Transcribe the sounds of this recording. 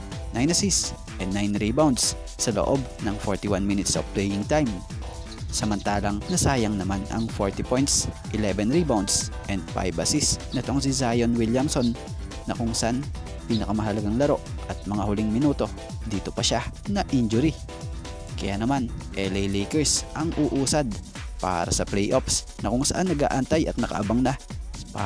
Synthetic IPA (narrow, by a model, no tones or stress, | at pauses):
najnɐsis | ʔɛnːajnɹibawnd̪sː | ɐlo̰ʔo̞bnɐŋfoɹt̪ɪwanminɪt̪so̰vplɛjɪŋt̪ajm | sɐmɐnt̪aːlɐŋnɐsaːjɐŋnɐmanɐ̰ŋfoɹt̪ipojnt̪sʔɪlɛbɛnɹibawnd̪sʔɛnd̪̚fa̰jbɐ̰sisnɛt̪o̞ŋsizajonwiljamso̞nː | ɐkʊŋsɐʔan | piːnɐkɐmɐɦɐlɐɡaŋlɐɾo̞ʔʔɐt̪̚mɐŋahʊliŋmɪnuːt̪o̞ | d̪iːt̪o̞pɐʃa | nɐʔind͡ʒʊɾi | kɐ̰ja̰ːnɐmanʔɛlɛjlɛjkɛɹsʔɐŋʔuːʔuːsɐd̪ | pa̰ːɾɐ̰sɐplɛjʔops | nɐkʊŋsɐʔanːɐɡa̰ːʔɐnt̪ajʔɐt̪̚nɐkɐ̰ʔɐbaŋnɐp